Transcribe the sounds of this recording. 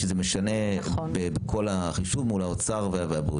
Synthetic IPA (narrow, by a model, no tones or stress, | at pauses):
ʃezemeʃane̞bebekʰo̞laχiʃuvmulaot͡saʁveaveabṵ